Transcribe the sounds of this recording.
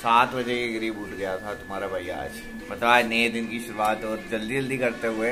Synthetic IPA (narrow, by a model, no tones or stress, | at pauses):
saːt̪ʰbɐd͡ʒekeɡɐɾiːbʊʈʰɡɐjat̪ʰat̪ʊmɦaːɾabʱaːia̰ːd͡ʒ | mɐt̪ləbaːd͡ʒnejd̪ɪnkiʃʊɾuaːt̪ɔːɾd͡ʒɐld̪iɐld̪ikɐɾt̪eɦʊe